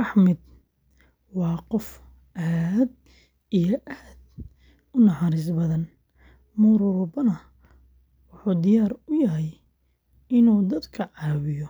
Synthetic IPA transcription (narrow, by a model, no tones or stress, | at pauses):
rɑħmɪd̪̚ | wɑːqɔf | ʔaːd̪ | ijɔʔaːd̪ | ʊnɑħɑɾɪs̬bɐðɐn | mʊɾʊɾʊbɐnɐ | wʊħuːd̪ɪjaːrʊjɐɦɛj | ɪnuːd̪ɐd̪kʰɐʕɑːwɪjɔ